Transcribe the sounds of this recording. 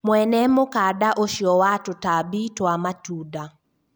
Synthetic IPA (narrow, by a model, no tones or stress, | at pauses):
mwɛnɛmʊkadaʔoʃjɔwatʊtabitwamatuda